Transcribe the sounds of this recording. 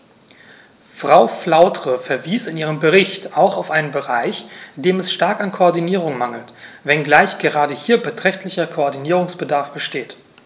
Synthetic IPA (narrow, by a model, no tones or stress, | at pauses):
fʁ̥aʊflaʊtʁ̥əfɛɐviːsɪnʔiːʁ̞əmbəʁɪçtaʊxaʊfʔaɪnənbəʁaɪçd̥eːmɛsʃtaɐkankʰoɔɐdiniːʁ̞ʊŋmaŋl̩tvɛnɡlaɪçɡ̥əʁaːdəhiːɐbətʁ̥ɛçtlɪçɐkʰoɔɐdiniːʁ̞ʊŋsb̥ədaɐfb̥əʃteːt